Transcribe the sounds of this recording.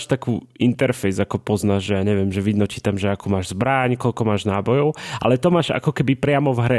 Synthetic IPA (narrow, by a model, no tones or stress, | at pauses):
ʃt̪akuːint̪ɛɾfɛjzakɔpɔznaːʒʒɛjaːɲɛʋɪjɛmʒɛʋid̪nɔt͡ʃiːt̪amʒɛakuːmaːʒzbɾaɲkɔʎkɔmaːʒnaːbɔjɔʊa̰lɛt̪ɔmaːʒa̰kɔkɛbipɾɪamɔvɦɾɛ